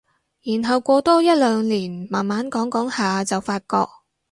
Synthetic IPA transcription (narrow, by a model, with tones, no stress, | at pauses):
jiː˨˩nɦɐ˨wkʷɔː˧t̪ɔː˥jɐ˥t̚lœː˨˧ŋliː˨˩nmaː˨˩nmaː˨˥nkɔː˨˥ŋkɔː˨˥ŋhaː˨˧t͡sɐ˨wfaː˧t̚kɔ̰ː˧k̚